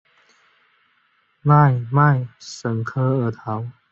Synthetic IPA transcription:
ma˥˩˨jma˥˧˨jsə˨˦ŋkʰɤ˦ə˧˩t̪ʰa˨˦w

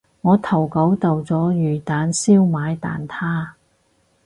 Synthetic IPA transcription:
ŋɔː˨˧t̪ʰɐ˨˩wkɐ˨˥wt̪ɐ˨wt͡sɔː˨˥jyː˨˩t̪aː˨˥nsiː˥wmaː˨˧˥jt̪a̰ː˨nt̪ʰaː˥

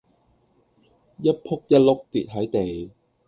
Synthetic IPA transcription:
jɐ˥t̚pʰʊ˥k̚jɐ˥t̚lʊ˥k̚t̪i˨t̚ɦɐ˨˥jt̪e˨˩j

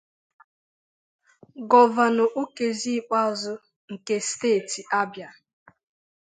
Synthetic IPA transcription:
ɡɔ˦va˨nʊ˨ʔu˦ke˨zi˦k͡pa˦˨zʊ˦ | ŋ̩˨ke˨steː˦˨ti˨ʔa˦bja˨

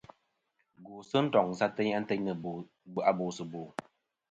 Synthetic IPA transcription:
ɡu˨sɨ˦n̩˦tɔ˨ŋn̩˨sa˦tɛ˦ɲa˦n̩˦tɛ˦ɲnə˨ | ba˨bo˨sɨ˨boː˨

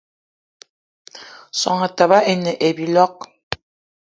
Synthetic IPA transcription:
sɔ̰˨ŋa˨ta˨βa˦ʔe˨ne˨ʔe˨bi˨lɔ˦k̚

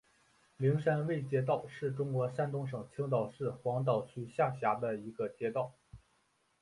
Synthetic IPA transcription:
li˧˥ŋʂa˥nwe˥˩ɪt͡ɕjɛ˥t̪ɑ˥˧ʊʂɻ̩˥˩ʈ͡ʂʊ˥ŋkwɔ˧˥ʂa˥˧nt̪ʊ˥ŋʂɤ˨˩ŋt͡ɕʰi˥ŋt̪̬ɑ˨˩ʊʂɻ̩˥˩xwɑ˧˥ŋt̪̬ɑ˨˩ʊt͡ɕʰy˧˥ɕja˥˩ɕja˧˥d̪ə˧i˧˥ɡə˧t͡ɕjɛ˥t̪ɑ˥˩ʊ

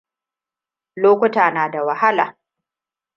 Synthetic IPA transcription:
loː˦kʷʊ˦taː˨naː˨da˨wɐ˨ha˦laː˨

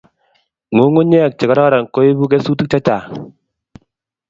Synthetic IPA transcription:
ŋo˨˦ŋo˦ɲɛ˦˨k̚t͡ʃɪ˨ka˨˦ɾɔ˦ɾa˨n˨ko˦ji˦bu˦k̬ɛ˦su˦ti˦k̚t͡ʃa˦t͡ʃa˨

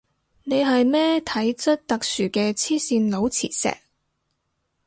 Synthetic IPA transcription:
ne˨˧jɦɐ˨jmɛː˥t̪ʰɐ˨˥jt͡sɐ˥t̚t̪ɐ˨k̚syː˨˩kɛː˧t͡sʰiː˥siː˧nlo˨˧wt͡sʰḭː˨˩t̚sɛ̰ː˨˩k̚

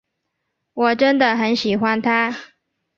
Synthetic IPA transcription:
wɔ˨˩ʈ͡ʂə˥nd̪ə˨xə˧˥nɕi˨˩xwa˦nt̪ʰa˥

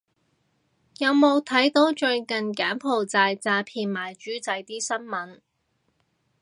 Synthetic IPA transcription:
jɐ˨˧wmo˨˧wt̪ʰɐ˨˥jt̪o˨˥wt͡ʃɵ˧ɥkɐ˨nkaː˨˥npʰo˨˩wt͡saː˧jt͡saː˧pʰiː˨˩nmaː˨˩jt͡ʃyː˨˥t͡sɐ˨˥jt̪iː˥sɐ˥nmɐ˨˥n

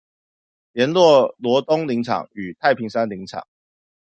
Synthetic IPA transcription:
jɛ˧˦nlwɔ˥˨˩lwɔ˧˥t̪ʊ˥ŋli˧˥ŋʈ͡ʂʰɑ̰˨˩ŋy˨˩t̪ʰa˥˩ɪpʰi˧˥ŋsa˥nli˧˥ŋʈ͡ʂʰɑ̰˨˩˦ŋ

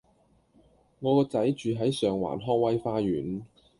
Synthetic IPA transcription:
ŋɔː˨˧kɔː˧t͡sɐ˨˥jt͡ʃyː˨˧ɦɐ˨˥jsœː˨ŋwa̰ː˨˩nɦɔː˥ŋwɐ˥jfaː˥ɥyː˨˥n

